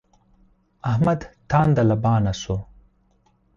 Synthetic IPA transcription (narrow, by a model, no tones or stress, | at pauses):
ɐhmɐd̪t̪ʰaːnd̪ɐlɐbaːnɐso